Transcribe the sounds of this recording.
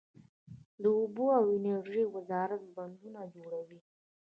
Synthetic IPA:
d̪əʊboawɪnaɾʒiwazɑɾat̪̚band̪unad͡ʒoɽawi

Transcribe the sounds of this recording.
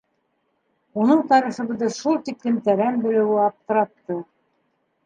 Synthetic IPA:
unɤɴt̪ɑɾiχɤ̆βɤ̆ðɤʃulˠt̪iklɘ̆mt̪æɾæmbɘ̆lɘ̆wɘɑp̚t̪ɤ̆ɾɑt̪ːɤ

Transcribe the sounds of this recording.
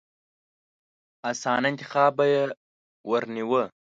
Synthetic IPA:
asɑːnaɪnt̪ɪ̥xɑːbaje | wəɾniwə

